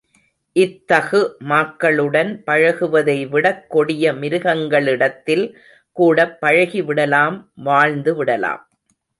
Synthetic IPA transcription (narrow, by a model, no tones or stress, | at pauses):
ʔɪt̪ːɐɣɯmaːkːɐɭɯɽɐnpɐɻɐɣɯʋɐðɐɪʋɪɽɐkːɔɽɪjɐmɪɾɯɣɐŋɡɐɭɪɽɐt̪ːɪl | kuːɽɐpːɐɻɐɣiʋɪɽɐlaːmʋaːɻnd̪ɯʋɪɽɐla̰ːm